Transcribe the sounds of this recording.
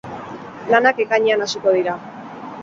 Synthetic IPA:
lanake̞kaɲeanasuko̞ð̞iɾa

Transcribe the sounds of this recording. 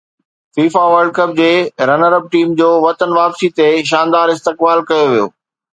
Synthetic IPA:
fiːfaʋɐɾɖ̚kɐp̚d͡ʑeːɾɐnəɾəb̚ʈiːmd͡ʑoːʋɐt̪ənʋaːpsit̪eʃ̬ãːnd̪aːɾɪst̪ɪkbaːlkɐjoʋijo̰ː

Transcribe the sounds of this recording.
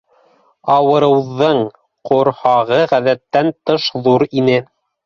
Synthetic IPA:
ɑwɤ̆ɾɤ̆wðɤɴ | qŏɾhɑʁɤʁæðæt̪ːænt̪ɤʃðuɾinɘ

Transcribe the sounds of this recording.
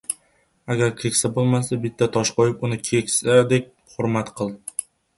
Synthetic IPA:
aɡʲaɾkʲʰe̞kʲsabolˠmasabɪt̪ʰːat̪ʰɒʃqojɪpʊnɪkʲʰekʲsad̪ek̚ʲ | χʊɾmat̪qʰɨlˠd̪ɪ

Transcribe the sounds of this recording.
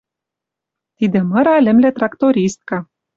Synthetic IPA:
t̪id̪ĕmɤ̆ɾɑlʲɘ̆mlĕt̪rɑkt̪oɾʲist̪̚kɑ

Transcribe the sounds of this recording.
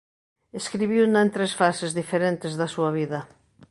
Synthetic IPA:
eskɾiβiwnent̪ɾesfasezðifeɾent̪ezðasuɐβ̞iðɐ

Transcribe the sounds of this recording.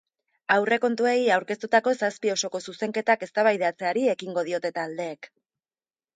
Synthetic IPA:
awre̞ko̞nt̪ue̞jawɾke̞st̪ut̪ako̞saspio̞so̞ko̞suse̞ŋke̞t̪ake̞st̪aβajðeat͡se̞aɾie̞kiŋɡo̞ðio̞t̪e̞t̪aːld̪e̞ːk

